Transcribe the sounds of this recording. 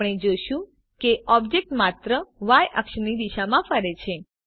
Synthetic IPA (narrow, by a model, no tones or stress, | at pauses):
ɽ̃ed͡ʒoʃũ | keʔɔbd͡ʒek̚ʈmat̪ɾəʋajəkʃənid̪iʃamãfəɾet͡ʃʰe